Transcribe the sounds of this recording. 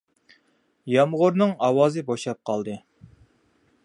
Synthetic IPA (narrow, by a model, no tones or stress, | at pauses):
jɑmʁʊɾnɨŋɑwɑːzɨboʃˠɑp̚qʰɑlˠd̪ɨ